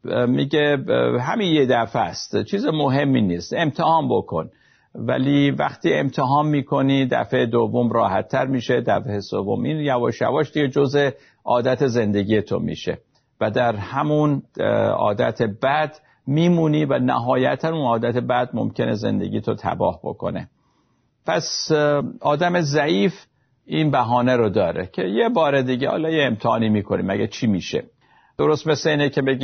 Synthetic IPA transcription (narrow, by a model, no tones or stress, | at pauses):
miɟeɦæminjed̪æfæst̪t͡ʃʰiːzemoɦe̞mːiniːst̪e̞mt̪ʰehɒːmbo̞kʰo̞̰n | væ̰liːvæ̰xt̪iːe̞̰mt̪ʰeɦɒːnmiːkʰo̞nid̪æ̰feed̪ovːo̞mɾɒːhæt̪ʰːæɾmiːʃe̞d̪æfeesovːo̞̰mʔinjævɒːʃæ̰vɒːʃd̪iɡed͡ʒo̞ze | ʔɒːd̪æt̪ʰe̞ze̞nd̪e̞ɡiːje̞t̪ʰo̰mḭːʃe̞̰ | væd̪æɾhæmunɒ̰ːd̪æt̪ʰebæd̪̥ | miːmuːniːvænæ̰ɦɒːjæt̪ʰænunɒːd̪æt̪e̞bæd̪̚mo̰mcʰe̞ne̞ze̞̰nd̪eɡʲɟiːt̪ʰot̪ʰæ̰bɒ̰ːhbo̞̰kʰo̞̰ne̞̰ | pʰæs | ɒːd̪æme̞zæʔiːf | ʔiːnbæɦɒːneɾod̪ɒːɾecʰe̞jebɒːɾed̪iːɟehɒ̰ːlɒːjeemt̪ʰeɒ̰ːnimiːkʰo̞nḭmæɡæt͡ʃʰiːmiːʃe̞̰ | d̪̥o̞ɾost̪me̞sleiːnecʰebeɡi